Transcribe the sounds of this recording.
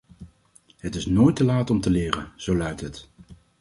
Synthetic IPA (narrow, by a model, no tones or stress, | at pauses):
ɦətɪsnoːjtəlaːtɔmtəlɪːrə̰nz̥owlœɥtɦət